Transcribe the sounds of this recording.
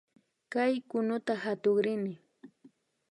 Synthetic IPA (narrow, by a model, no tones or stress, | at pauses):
kajkʊnʊt̪ahat̪oχɾɪnɪ